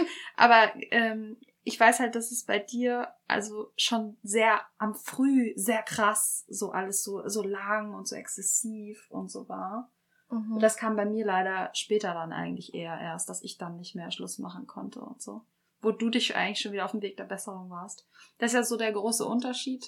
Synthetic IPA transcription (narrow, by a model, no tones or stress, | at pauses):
ʔa̰ːbɐʔɛːm | ʔɪçv̥aɪshalt̚d̥asɛsb̥aɪdiːɐʔa̰lzoʃoːnzeːɐʔamfʁ̥yːzeːɐkʁ̥asz̥oːʔaləsz̥oːzoːlaŋʊntz̥o̰ːʔɛ̰ksɛsiːfʊ̰ntz̥o̰ːvaːɐ | ʊd̥askʰaːmbaɪmiːɐlaɪɾɐʃpɛːtɐdanʔa̰ɪɡŋ̩tlɪçʔeːɐʔḛːɐst̚d̥asɪçd̥anːɪçtmeːɐʃlʊsma̰χn̩kʰɔntʰə̰ʊ̰ntz̥o̰ː | voːduːdɪçʔa̰ɪɡŋtlɪʃoːnviːdɐaʊfm̩veːk̚d̥eːɐbɛsəʁ̞ʊŋvaːɐstd̥asɪsjaːzoːdeːɐɡʁoːsə̰ʔʊntɐʃiːt